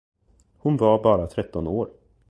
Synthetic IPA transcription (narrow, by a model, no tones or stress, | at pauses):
hʊnvaɾbɑːɾat̪ʰɾɛt̪ːɔnoːɾ